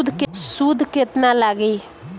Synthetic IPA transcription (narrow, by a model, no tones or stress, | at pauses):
d̪ʱksud̪ʱkɪt̪nãːləɡiː